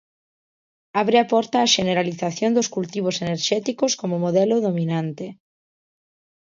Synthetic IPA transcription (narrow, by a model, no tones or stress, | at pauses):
aβ̞ɾeapɔɾt̪aːʃeneɾaliθaθjond̪oskult̪iβ̞oseneɾʃɛt̪ikoskomomoðɛloðomĩnãnt̪e